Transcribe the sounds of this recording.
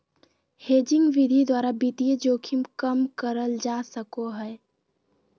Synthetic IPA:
heːd͡ʒɪŋɡʋid̪ʱid̪waːɾabit̪ijed͡ʒoːkʰimkəmkəɾəld͡ʒasəkoɦɛe

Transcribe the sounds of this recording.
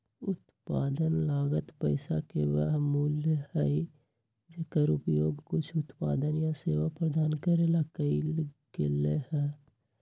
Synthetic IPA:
ʊt̪paːd̪ənlaːɡət̪pəɪsakeʋəɦmuːlɦəi | d͡ʒekəɾʊpjoːɡkʊt͡ʃʰʊt̪pa̰ːd̪ənjãseːʋapɾəd̪ʱaːnkəɾelakəilɡelehɛː

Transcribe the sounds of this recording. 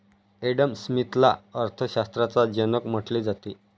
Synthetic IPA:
eɽəmsmit̪la̰əɾt̪ʰəɕast̪ɾat͡sad͡ʑənəkm̤əʈled͡zat̪i

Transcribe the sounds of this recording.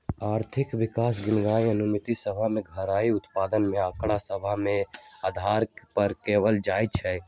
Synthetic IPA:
aːɾt̪ʰɪkʋɪkaːsɡɪnɡaiənumit̪isəbʱameɡʱəɾaiʊt̪pad̪ənmeakɽasəbʱaɦmẽad̪ʱaɾpəɾkewəld͡ʒajt͡ʃʰɛ

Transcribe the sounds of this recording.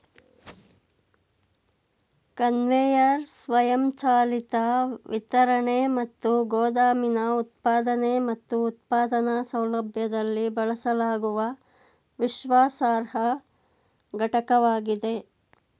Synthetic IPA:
kɐnʋejɐɾsʋɐjɐmt͡ʃaːlit̪aʋʔit̪ɐɾɐɳemɐt̪ːuɡoːd̪aːminɐut̪̚paːd̪ɐnemɐt̪ːuːt̪̚paːd̪ɐnɐsɐwlɐbʱjɐd̪ɐlːibɐɭɐsɐlaːɡuʋɐ | ʋiʃʋaːsaːɾɦɐ | ɡʱɐʈɐkɐʋaːɡid̪e̞

